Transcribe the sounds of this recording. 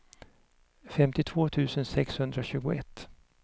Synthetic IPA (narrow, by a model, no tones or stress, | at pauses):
fɛmt̪ɪt̪ʰvoːt̪ʰʉ̟ːsənsɛkshɵnd̪ɾaɕʉ̟ːɡʊɛt̪ː